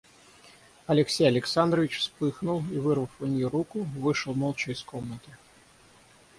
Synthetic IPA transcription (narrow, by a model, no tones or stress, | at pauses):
ɐlʲɪksʲejɐlʲɪksand̪ɾəvʲɪt͡ɕfspɨxnʊlˠivɨrvəfɐnʲjirukʊvɨʂɨlˠmolˠt͡ɕəiskomnət̪ɨ